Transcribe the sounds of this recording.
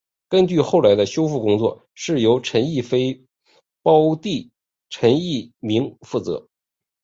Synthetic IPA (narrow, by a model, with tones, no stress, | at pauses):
kə˥nt͡ɕy˥˧xo˥˩ʊla˧˥ɪd̪ə˧ɕjo˥ʊfu˥˩kʊ˥ŋt͡swɔ̰˥˩ | ʂɻ̩˥˩jo˧˥ʊʈ͡ʂʰə˧˥ni˥˩fe˥ɪ | pɑ˥ʊt̪i˥˩ | ʈ͡ʂʰə˧˥ni˥˩mi˧˥ŋfu˥˩t͡sɤ̰˧˥